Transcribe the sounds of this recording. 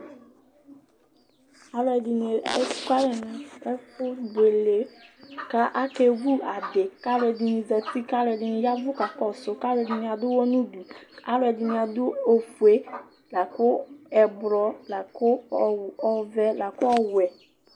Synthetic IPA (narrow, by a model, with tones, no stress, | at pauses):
a˨˦lɛ˨di˨ne˨ɛ˦ka˦ɾɛ˨na˨ɛ˦fʊ˦de˨le˨ka˦ʔa˦ke˨ɡu˦a˨de˨ka˦lɛ˨di˨ni˨zɛ˨ti˦ka˦lɛ˨di˨ni˨ja˦vʊ˦ka˨kɔ˨sʊ˨ka˦lɛ˨di˨ni˨a˨dʊ˦wɔ˦nũ˦du˨a˦lɛ˨di˨nĩ˨a˨dʊ˦o˨fu˨e˨˦ | la˨kʊ˦ɛ˨bɾɔ˦la˨kʊ˦˨ | ɔ˨vɛ˦la˨kʊ˦ɔ˦wɛ˨